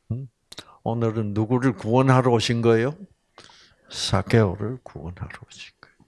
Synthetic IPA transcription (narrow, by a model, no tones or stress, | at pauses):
onɯɾɯnːuɡuɾɯɭkuwʌnɦaɾooɕʰinɡʌjo | sak͈ʰeoɾɯɭkuwʌnɦaɾooɕʰi̥nɡ̥ʌjoo